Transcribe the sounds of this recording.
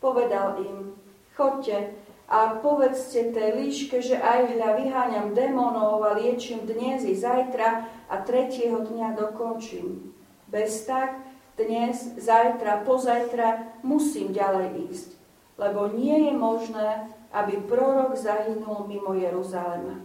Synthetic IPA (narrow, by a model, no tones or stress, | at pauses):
pɔʋɛd̪alim | xɔccːɛʔapɔʋɛt͡scɛt̪ɛːliːʃkɛʒɛʔajɦʎaʋiɦaːɲamd̪ɛmɔnɔʊalɪɛt͡ʃimd̪ɲɛzjɛzajt̪ɾaʔa̰t̪ɾɛcɪɛɦɔd̪ɲad̪ɔkɔnt͡ʃiːm | bɛst̪akd̪̥ɲɛzzajt̪ɾapɔzajt̪ɾamusiːmɟalɛjiːsc | lɛbɔɲɪɛjɛmɔʒnɛːʔabipɾɔɾɔɡzaɦinulmimɔjɛɾuzalɛma̰